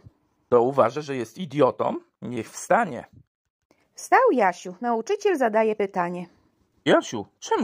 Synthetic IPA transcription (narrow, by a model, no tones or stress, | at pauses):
t̪ɔuvaʐaʐɛjɛst̪id̪ʲjɔt̪ɔ̰m | ɲɛxfst̪aɲɛ̰ | fst̪awjaɕunaut͡ʂɘt͡ɕɛlzad̪ajɛpɘt̪aɲɛ | jaɕut͡ʂɛm